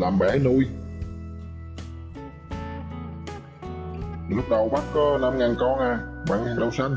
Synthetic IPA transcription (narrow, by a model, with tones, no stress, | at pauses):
laː˨˩mɓɛ˧˩˦nu˧j | ɗɨ˨˦˥k̚ɗə˨˩wɓa˦˥t̚na˧mŋaː˨˩nkɔ˧nʔaː˨˩ɓa̰ː˧˩na˧˩ŋɗə˧wsa˧jŋ̟